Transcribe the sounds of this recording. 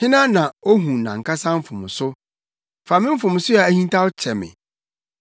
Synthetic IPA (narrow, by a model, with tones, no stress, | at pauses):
hɪ̃˦nã˦nã˨o˦ɦũ˨nã̰˨ŋ̩˨kʰa˦sã˦m̩˦fʊ̃˨m˨sʊ˦ | fa˨mɪ̃˦m̩˦fʊ̃˨m˨sʊ˦jɛ˨æ˦hĩ˦n˦tʰa˦wt͡ɕʰɛ˨mɪ̰̃˨